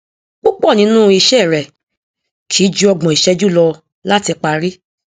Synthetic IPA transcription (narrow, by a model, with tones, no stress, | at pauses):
k͡po˦k͡pɔ˦˨nĩ˨˦nũ˦i˧˨ʃɛ˦˨ɾɛ˨ | kʰi˨˦d͡ʒu˦ɔ˧ɡ͡bɔ̃˨i˨ʃɛ˧˦d͡ʒu˦lɔ˧ | la˦ti˧k͡pa˧ɾi˦